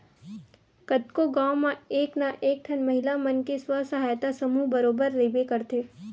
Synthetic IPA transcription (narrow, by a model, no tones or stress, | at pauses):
kət̪koɡaːwmãeːknaʔeːk̚ʈʰɐnmɐɦɪlamənkeswəsɐɦaːjt̪asɐmubɐɾoːbəɾːeːbekɐɾt̪eː